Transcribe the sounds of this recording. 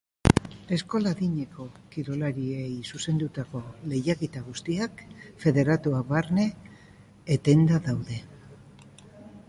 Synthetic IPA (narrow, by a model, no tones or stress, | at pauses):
e̞sko̞laðiɲe̞ko̞kiɾo̞laɾiejsuse̞nd̪ut̪ako̞le̞jaket̪aɣ̞ust̪iakfe̞ðe̞ɾat̪uaβaɾne̞ː | t̪e̞nd̪aðawðe̞